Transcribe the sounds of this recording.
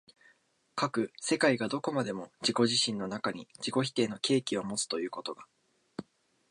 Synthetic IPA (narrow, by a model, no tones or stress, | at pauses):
kakɯ̟se̞kaiɡad̪o̞ko̞mad̪e̞mo̞d͡ʑiko̞ʑiɕĩnːo̞nakaɲ̟id͡ʑiko̞çi̥t̪e̞ːno̞kʲe̞ːkʲio̞mo̞t͡sɨ̥t̪o̞jɯ̟ːko̞t̪o̞ɡa